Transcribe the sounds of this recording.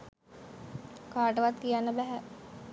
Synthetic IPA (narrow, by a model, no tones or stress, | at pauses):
kaːʈəʋat̪kijanːəbæɦæ